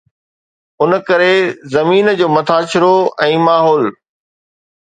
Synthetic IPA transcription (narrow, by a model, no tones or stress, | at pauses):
ʊnkɐɾezɐmiːnd͡ʑoːmɐt̪ʰaːt͡ɕɪɾoɛ̃ːmaːɦɔːl